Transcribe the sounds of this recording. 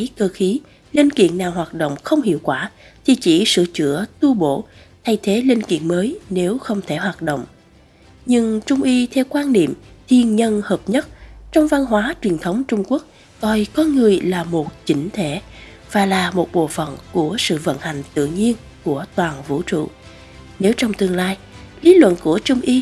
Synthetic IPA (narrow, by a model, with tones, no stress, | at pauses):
jkəː˧xi˨˦ | li˧nkḭ˧˨ənːaː˨˩wɦwaː˨˩t̚ɗo̰˧˨wŋ͡mxə˧wŋ͡mhḭ˧˨əwkwaː˧˩ | t̪ʰi˨˩t͡ɕi˧˩sɨ̰˧˨t͡ɕɨ̰˧˥ət̪u˧ɓo̰˧˩˨ | t̪ʰa˧jt̪ʰe˨˦li˧nkḭ˧˨ənməː˨˦jne˨˦wxə˧wŋ͡mt̪ʰe˧˩ɦwaː˨˩t̚ɗo̰˧˨wŋ͡m | ɲɨ˧ŋt͡ɕʊ˧ŋ͡mʔi˧t̪ʰɛ˧wkwaː˧nɗḭ˧˨mt̪ʰi˧ənɲə˧nhəː˨˩p̚ɲə˦˥t̚t͡ɕɔ˧wŋ͡mva˧nɦwaː˨˦t͡ɕwi˨˩ənt̪ʰə˨˦wŋ͡mt͡ɕʊ˧ŋ͡mku˦˥ək̚ | kɔ˧˩jkɔ˨˦ŋɨ˨˩əjlaː˨˩mo˨˩t̚t͡ɕi˨˦ŋ̟t̪ʰe˧˩ | v̥aː˨˩laː˨˩mo˨˩t̚ɓo̰˧˨fə̰˧˩˨nku˧˩əsɨ̰˧˨və̰˧˥˨nha˨˩jŋ̟t̪ɨ̰˧˨ɲi˧ən | ku˧˩ət̪waː˨˩nvṵ˧˥t͡ɕṵ˧˨ | ne˨˦wt͡ɕɔ˧wŋ͡mt̪ɨ˧əŋlaː˧j | li˨˦lwə̰˧˨nku˧˩ət͡ɕʊ˧ŋ͡mʔi˧